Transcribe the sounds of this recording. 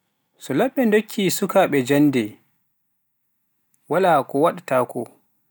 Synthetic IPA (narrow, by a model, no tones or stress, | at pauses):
sɔlaɓːɛndokʰːisukaɓɛd͡ʒanːdɛ | walaːkɔwaɗataːkɔ